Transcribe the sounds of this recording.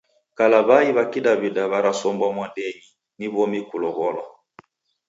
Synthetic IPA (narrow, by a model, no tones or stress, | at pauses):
kalaβaiβakidaβidaβaɾasɔmbwamwadɛɲi | niβɔmikulɔɣɔlɔ